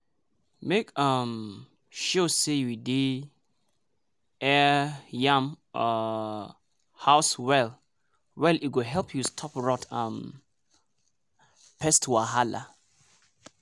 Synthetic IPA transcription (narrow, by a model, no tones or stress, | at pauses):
mekam | ʃosejwidi | ɛjãm | haʊswɛl | wɛliɡoɦɛlpʰjustʰɔpɹɔtʰãm | pʰɛstʰwaɦala̰